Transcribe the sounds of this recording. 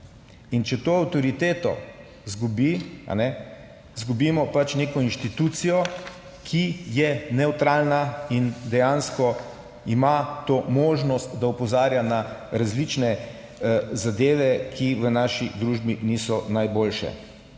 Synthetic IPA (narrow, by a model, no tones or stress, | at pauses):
int͡ʃɛt̪oːawt̪ɔɾit̪eːt̪ɔ̰ | zɡubia̰nɛ | zɡubimɔpat͡ʃneːkɔinʃt̪it̪ut̪sijɔ | kʰijɛnɛwt̪ɾalnaind̪ɛjãnskɔ | imat̪oːmoːʒnɔst̪d̪aɔpɔzaːɾjanaɾazlit͡ʃnɛ | zad̪eːʋɛkʰiʋənaːʃid̪ɾuːʒbinisɔnajboːlʃɛ̰